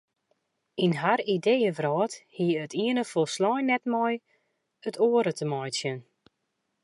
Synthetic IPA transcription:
inhaɾidejəvrɔːthiətʰiənəfolˠslɔjnɛtmɔj | ətʰoːəɾətʰəmɔjsjən

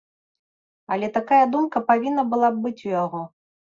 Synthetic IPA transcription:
ɐlʲɛt̪akajɐd̪umkɐpavʲinːɐbɨlˠabbɨt͡sʲujaɣɔ

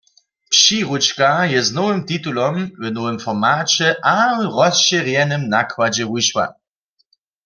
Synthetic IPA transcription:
pʃiʁut͡ʃkajɛznɔwɘmt̪it̪ulɔmwɛnɔwɘmfɔʁmaːt͡ɕɛʔawʁɔsɕɛʁjɛnɨmnakwad͡ʑɛwuʃwa̰

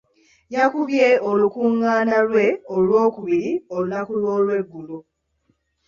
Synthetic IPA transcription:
jakuβjeolukuŋːaːnalwe̞olwo̞ːkuβiɾio̞lunakulwo̞ːlwe̞ɡːulo

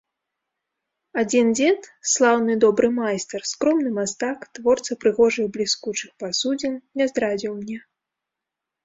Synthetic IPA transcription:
ad͡zʲind͡zʲɛt̪slˠawnɨd̪ɔbɾʔɨmajst̪ɛrskɾɔmnɨmast̪akt̪vɔrt̪sɐpɾɨɣɔʐɨjblʲiskut͡ʂɨxpasud͡zʲɛnnʲɛzd̪ɾad͡zʲiwmnʲɛ

